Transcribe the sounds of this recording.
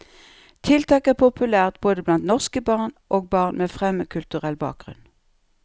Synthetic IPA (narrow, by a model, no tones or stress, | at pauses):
t̪ʰɪlt̪ʰɑːkæːʁpʰʊpʰʉlæːʁt̪̚boːd̪əblɑnt̪nɔʁskəbɑːʁnʔoːɡ̚bɑːʁnmeːfʁɛməkʰʉlt̪ʉʁɛlbɑ̰ːk̚ɡʁʉ̰n